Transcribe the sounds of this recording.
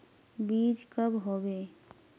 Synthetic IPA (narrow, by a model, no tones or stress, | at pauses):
biːd͡ʒkəbɦobe